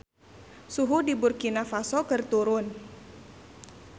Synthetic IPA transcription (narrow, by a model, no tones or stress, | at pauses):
suɦudiburkinafasɔkɨrt̪uɾʊn